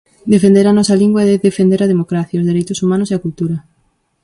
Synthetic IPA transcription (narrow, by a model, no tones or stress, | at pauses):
d̪efend̪eɾanɔsɐliŋɡwɐeðeðefend̪eɾɐðemokɾaθjaozðeɾejt̪ʊsumãnʊseakult̪uɾɐ